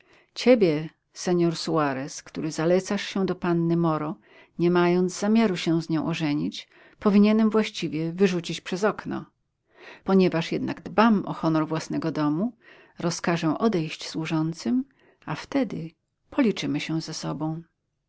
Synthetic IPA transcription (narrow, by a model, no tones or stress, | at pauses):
t͡ɕebʲjɛ | sɛɲɔɾsuaɾɛskt̪uɾɘzalɛt̪saʂɕɛ̃d̪ɔpanːɘmɔɾɔ | ɲɛmajɔnd̪zzamʲjaɾuɕɛwzɲɔ̃w̃ʔɔʐɛɲit͡ɕ | pɔvʲiɲɛnɛmvwaɕt͡ɕivʲjɛvɘʐut͡ɕit͡ɕpʂɛzɔknɔ̰ | pɔɲɛvaʂjɛd̪na̰ɡd̪bamɔxɔnɔɾvwasnɛɡɔd̪ɔmu | ɾɔskaʐɛ̃ʔɔd̪ɛjɕt͡ɕswuʐɔnt̪sɘm | aft̪ɛd̪ɘ | pʰɔlʲit͡ʂɘmɘɕɛzɛsɔbɔ̃w̃